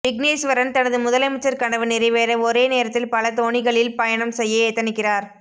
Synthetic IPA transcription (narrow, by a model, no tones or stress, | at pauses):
ɪɡneːsʋɐɾɐnt̪ɐnɐðɯmʊðɐlɐmɐt͡ʃːɐɾkɐɳɐʋɐnɪɾɪʋeːɾɐɔɾeːneːɾɐt̪ːɪlpɐlɐt̪oːɳɪɣɐɭɪlpɐjɐɳɐmsɛjːɐeːt̪ːɐnɪkːɪraːɾ